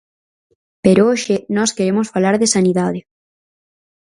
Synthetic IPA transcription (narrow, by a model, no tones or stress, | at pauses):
peɾooʃɪnɔskeɾemosfalaɾðɪsaniðaðɪ